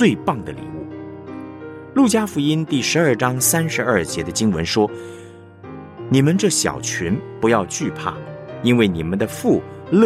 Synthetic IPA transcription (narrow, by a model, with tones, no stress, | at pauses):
t͡swe˥˧ɪpɑ˥˩ŋd̪ə˩lḭ˨˩˦ṵ˥˩ | lu˥˩t͡ɕja˥fu˧˥i˥nt̪i˥˩ʂɻ̩˧˥ɐ˞˥˩ʈ͡ʂɑ˥ŋsa˥nʂɻ̩˧˥ɐ˞˥˩t͡ɕjɛ˧˥d̪ə˧t͡ɕi˥ŋwə̰˧˥nʂwɔ˥ | ni˨˩mə˧˦nʈ͡ʂɤ˥˩ɕjɑ̰˨˩ʊt͡ɕʰy˧˥npu˧˥jɑ˥˧ʊt͡ɕy˥˧pʰa̰˥˩i˥nwe˥˩ɪni˨˩mə˦nd̪ə˧fu˥˩lɤ˥